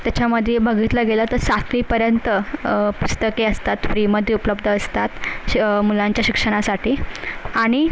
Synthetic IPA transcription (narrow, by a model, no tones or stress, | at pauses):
t̪jat͡ɕaməd̪ʱːjebʱəɡiːt̪ləɡelət̪əɾsat̪ʰliːpəɾjənt̪əpust̪əkeəst̪at̪fɾiːməd̪ʱːjeupləbd̪ʱəːst̪at̪mulaɲt͡ɕjaɕikʂəɽ̃asaʈʰiːaɽ̃i